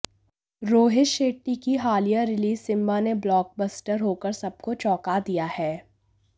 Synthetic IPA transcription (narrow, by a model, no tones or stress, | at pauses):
ɾoːɦɪʃeːʈːikiɦaːlijaɾɪliːzːɪ̃mbaneblɔːk̚bəsʈəɾɦoːkəɾsɐb̚kot͡ʃɔːkad̪ijahɛː